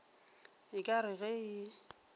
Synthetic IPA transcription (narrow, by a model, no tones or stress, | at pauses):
ɪkʼaɾɪɣɛɪ